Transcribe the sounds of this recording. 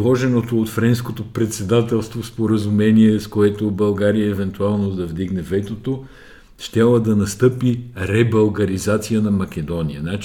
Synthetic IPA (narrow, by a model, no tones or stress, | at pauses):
ɔʒɛnot̪oːt̪fɾɛnskot̪opɾɛt̪sɛd̪at̪ɛlˠst̪vospoɾəzumɛniɛskoɛt̪obɐlˠɡaɾijəɛvɛnt̪ualˠnod̪ɐvd̪iɡnɛvɛt̪ot̪o | ʃt̪ʲalˠəd̪ɐnɐst̪ɤpiɾɛbɐlˠɡɐɾizat̪sijənɐmɐk̟ɛd̪ɔnijənat͡ʃ